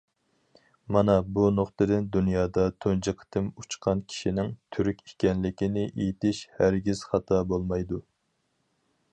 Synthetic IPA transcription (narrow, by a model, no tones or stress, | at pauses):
mɑnɑbunoχt̪ɨd̪ɪnd̪unjɑːd̪ɑt̪ʰond͡ʒəqʰə̥t̪ʰɨmut͡ʃqʰɑnkʲʰi̥ʃinɪŋt̪ʰyɾykʲikʲɛnlɪkʲinɪʔejit̪ɪʃhæɾɡʲiz̥χɑt̪ʰɑbolˠmɑjd̪u